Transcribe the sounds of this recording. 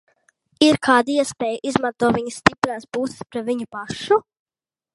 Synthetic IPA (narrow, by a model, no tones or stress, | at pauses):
iɾkʰaːd̪aiɛspʲeːjuʔizmant̪uɔviɲsːt̪ipɾaːsbuːsɪ̥spɾaviɲupaʃu